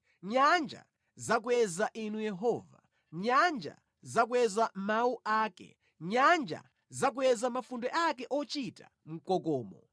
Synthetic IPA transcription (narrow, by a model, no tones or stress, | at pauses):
ɲand͡ʒa̰ | zak̬uɛzaʔinujɛɦɔva̰ | ɲand͡ʒa̰ | zak̬uɛzamauʔaːkɛ̰ | ɲand͡ʒa̰ | zak̬uɛzamafundɛʔakɛʔɔt͡ʃitḁ̰ | m̩kɔkɔːmɔ